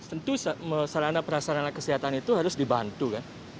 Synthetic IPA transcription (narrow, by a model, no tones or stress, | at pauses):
t̪ənt̪usaməsaɾanapəɾasaɾanakəsiɦat̪anit̪uɦaɾʊsdibant̪ukan